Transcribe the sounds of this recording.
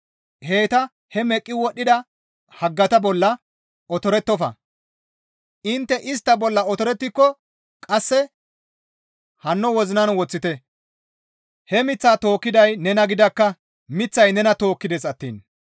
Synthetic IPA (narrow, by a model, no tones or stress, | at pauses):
he̞ːt̪ɐ | hɛmɛkʼːɪwɔɗːɪd̪ɐ | hɐɡːɐt̪ɐbɔlːɐ | ɔt̪ɔɾɛt̪ːɔfɐ̰ | ʔɪnt̪ːɛʔɪs̬t̪ːɐbɔlːɐɔt̪ɔɾɛt̪ːɪkːɔ | kʼɐsːɛ | hɐnːɔwɔzɪnɐnwɔt͡sːɪt̪ɛ | hɛmɪt͡sːaːt̪o̞ːkːɪd̪ɐjnɛnɐɡɪd̪ɐkːɐ | mɪt͡sːɐjnɛnɐt̪o̞ːkːɪd̪ɛsɐt̪ːiːn